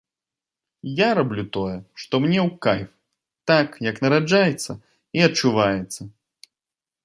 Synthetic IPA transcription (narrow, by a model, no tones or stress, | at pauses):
jaɾablʲut̪ɔjɛʂt̪ɔmnʲɛwkajf | t̪akjɐknɐɾad͡ʐajɛt̪sːɐ | iɐt͡ʂːuvajɛt̪sːɐ